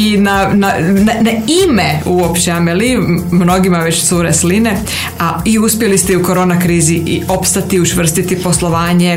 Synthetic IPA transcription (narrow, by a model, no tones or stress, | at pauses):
inanananaimeuopt͡ʃeamelimno̞ɡimaʋe̞t͡ɕsuɾesline | aiuspjelist̪euko̞ɾo̞ːnakɾiːziʔio̞pst̪at̪iut͡ʃʋr̩st̪it̪ipo̞slˠo̞ʋaːɲe̞